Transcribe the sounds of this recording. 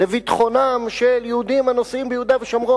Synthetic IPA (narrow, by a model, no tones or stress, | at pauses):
levit̪χo̞namʃeljehud̪imanosimbejud̪aveʃamʁo